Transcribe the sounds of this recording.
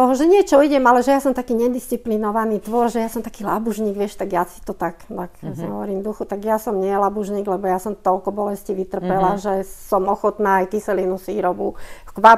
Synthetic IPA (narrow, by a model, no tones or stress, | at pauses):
t̪ɔɦɔʒɛɲɪɛt͡ʃɔiɟɛmalɛʒɛjasɔmt̪akiːɲɛd̪ist͡siplinɔʋaniːt̪ʋɔɾʒɛjasɔmt̪akiːla̰buʒɲiːɡʋɪɛʃt̪aɡjasi̥t̪ɔt̪aknaksn̰ɦɔ̰ʋɔɾiːmd̪uxut̪aɡjasɔmɲɪɛlabuʒɲiːɡlɛbɔjasɔmt̪ɔlkɔbɔlɛsciːʋit̪r̩pɛlaʒɛsɔmɔxɔt̪naːjkisɛlinusʋiːɾɔbukʋa